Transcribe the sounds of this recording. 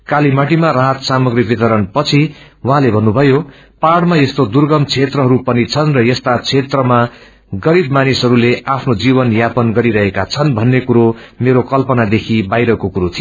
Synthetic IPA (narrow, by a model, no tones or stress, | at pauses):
kalimaʈimaraɦʌt̪samʌɡribit̪ʌɾʌnpʌt͡sʰi | wʌɦãlebʱʌnːubʱʌjo | paɽmajest̪od̪urɡʌmt͡sʰet̪rʌɦʌɾupʌnit͡sʰʌnrʌjʌst̪at͡sʰet̪rʌma | ɡʌɾibmanisɦʌɾuleapʰnod͡zibʌnjapʌnɡʌɾiɾʌɦekat͡sʰʌnbʱʌnːekuɾomeɾokʌlpʌnad̪ekʰibajɾʌkokuɾot̪ʰij